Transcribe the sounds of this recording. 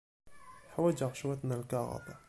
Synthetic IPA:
ħawad͡ʒaʕʃwat̪nalkaɣɑ̰ba̰

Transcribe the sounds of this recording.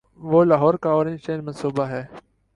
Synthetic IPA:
ʋoːlaːɦɔːɾkaoːɾɪ̃nt͡ʃeːnmɐ̃nsuːbaɦɛː

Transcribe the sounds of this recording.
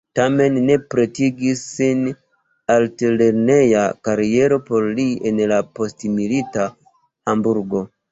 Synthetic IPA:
tame̞nːe̞pɾe̞tiɡisːin | altele̞ɾne̞jakaɾie̞ɾo̞po̞ɾlienlapo̞stmilita | hambuɾɡo

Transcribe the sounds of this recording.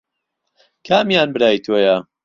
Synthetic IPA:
kʰaːmjaːnbɨɾaːjt̪ʰoːjɐ

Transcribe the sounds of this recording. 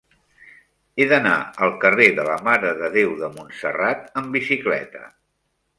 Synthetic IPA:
eðəna̰əlˠkəreðələmaɾəðəðewðəmunsə̰rat̪əmbisiklɛ̰t̪ə̰

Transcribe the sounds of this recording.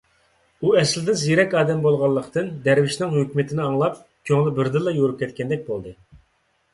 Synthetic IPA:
uɛslɪd̪ɪnzijeɾɛkʲɑːd̪ɛmbolˠʁɑlˠːəqt̪ɨnd̪ɛɾvɪʃnɪŋɦøkʲmɪt̪ʰɪnɪɑŋlˠɑpkʲʰøŋlɪbɪɾd̪ɨlˠːɑjoɾup̚kʲɛt̪kʲɛnd̪ɛk̚ʲbolˠd̪ɨ

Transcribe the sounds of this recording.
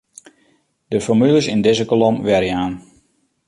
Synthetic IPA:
d̥əfɔmyləsɪndɪzəkolomʋɛɾəaːn

